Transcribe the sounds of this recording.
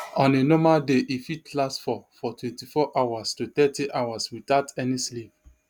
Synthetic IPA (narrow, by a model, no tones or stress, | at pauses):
ɔ̃nenɔmadeʔifitʰlasfɔfɔtʰwɛ̃ntifɔʔawastutɛtiʔawaswitatɛnislip̚